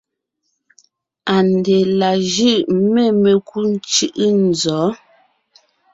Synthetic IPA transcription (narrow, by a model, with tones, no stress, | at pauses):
a˨n˨de˨la˨ʒʉ˦˨ʔme˦˨me˨kʰu˦n˦t͡ʃɯ˦ʔn̩˨zɔː˨˦